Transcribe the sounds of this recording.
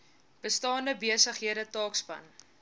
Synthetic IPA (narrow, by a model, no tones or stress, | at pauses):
b̥əstɑːndəbiəsəχɦiəɾətɑːkspɐ̰n